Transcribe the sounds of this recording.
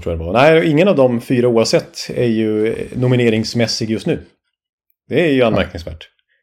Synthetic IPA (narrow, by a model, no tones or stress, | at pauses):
t̪ʰɾuːjad̪ɛbɾɑnæɪɪŋːənavd̪ɔmfyːɾauːavsɛt̪ʰːæɾjɵnʊmɪneːɾɪŋsmɛsːɪɡjɵst̪nʉ̟ː | d̪̥ɛæɾjɵanmæɾk̚nɪŋsvæ̰ːʈ